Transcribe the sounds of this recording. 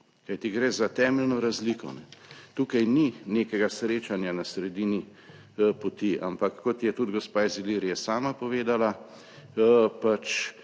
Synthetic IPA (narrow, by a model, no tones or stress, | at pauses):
kajt̪iɡɾeːzat̪ɛːmɛlnɔɾazlikɔ̰nɛt̪uːkajnineːkɛɡasɾeːt͡ʃanjanasɾɛd̪iːni | pot̪iʔa̰mpakːɔt̪jɛt̪ud̪ɡɔspaːiziliːɾijɛsaːmapɔʋeːd̪ala | pat͡ʃ